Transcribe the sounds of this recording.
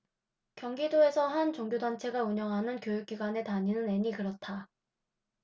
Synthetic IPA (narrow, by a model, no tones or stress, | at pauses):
kjʌŋɡidoe̞sʰʌɦant͡ɕoŋɡjodant͡ɕʰe̞ɡauɲʌŋɦanɯnkjojuk̚k͈iɡwane̞taɲinɯne̞ɲikɯɾʌt̚tʰa